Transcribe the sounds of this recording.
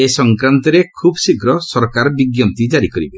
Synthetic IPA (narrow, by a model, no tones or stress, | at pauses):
esɔŋkɾant̪ɔɾekʰubɔsikɾɔsɔɾkaɾɔbiɡjɔnt̪id͡ʒaɾikɔɾibe